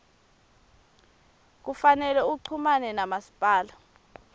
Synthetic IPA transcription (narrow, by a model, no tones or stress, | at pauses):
k̬ufanɛlɛuǀʰumanɛnamasi̥pʼaːla